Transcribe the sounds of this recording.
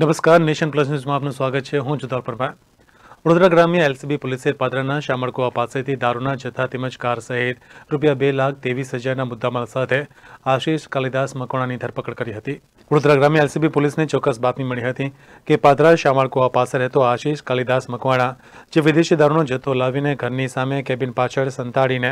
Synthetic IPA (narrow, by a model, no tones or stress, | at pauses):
nəməskaːɾneːʃənplɐs̬njuːzmãaːpnũsʋaːɡət̪̚t͡ʃʰeɦũːd͡ʒʊd̪aːɾpəɾmã | ʋəɽoːd̪ɾaɡɾaːmijəelsibipʊlɪseɾpaːd̪ɾanaʃaːmaɽkoapaːset̪ʰid̪aːɾuɳ̃ad͡ʒɐt̪ʰat̪ɪməd͡ʒkaːɾsɐɦet̪ɾʊpjabelaːk̚ʰt̪eːʋiːsɦɐd͡ʒaːɾnamʊd̪ʱːamalsaːt̪ʰeaʃiʃkalid̪asməkʋaɳ̃anid̪ʱəɾpəkəɽkəɾiɦət̪i | ʋəɽʊd̪ɾaɡɾamjəelsibipʊlisnet͡ʃɔkːəsbap̪niməɭiɦət̪ĩ | kepad̪ɾaʃamaɭkoapaseɾɦet̪oaʃiʃkalid̪asməkʋaɽ̃a | d͡ʒeʋɪd̪eʃjəd̪aɾunod͡ʒət̪ʰolaʋineɡʱəɾnisamekɛbɪnpat͡ʃʰəɭsənt̪aɽine